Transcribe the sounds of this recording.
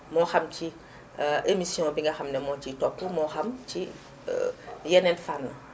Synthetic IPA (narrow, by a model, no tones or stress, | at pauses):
mɔːxamci | ʔemisiɔ̃ːbiŋɡɐxamnɛmɔt͡ʃitɔpːumɔxamt͡ʃi | jɛnenfanːo